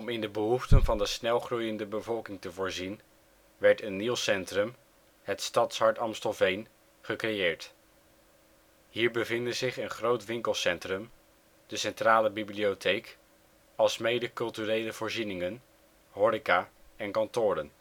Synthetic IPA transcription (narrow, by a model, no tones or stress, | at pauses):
ɔmɪndəbəɦuftənvɑndəsnɛlˠχrujəndəbəvɔlˠkɪŋtəvʊːɹzin | ʋɛɹtənːilˠsɛntrəm | ɦətstɑtsɦɑɹtɑmstɔlˠvejn | χəkrejɪːɹt | ɦiːɹbəvɪndəzɪχənχrowtʋɪŋkəlˠsɛntrɵm | d̥əsɛntraːləbibliowtʰejk | ɑlˠsmejdəkɵlˠtyrejləvʊːɹzinɪŋən | ɦɔɾikaːɛnkɑntʊːɾən